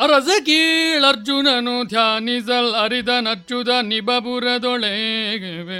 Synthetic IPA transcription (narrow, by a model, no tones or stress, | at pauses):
ɐɾɐzɐkilɐɾd͡ʒunɐnut̪ʰjaːnizɐlɐɾid̪ɐnɐɾt͡ʃud̪ɐnibɐbuɾed̪oɭeɡeʋe